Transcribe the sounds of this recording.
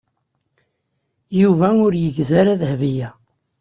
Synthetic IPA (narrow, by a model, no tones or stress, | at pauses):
juvæʊɾjəʝzæɾæðhvijæ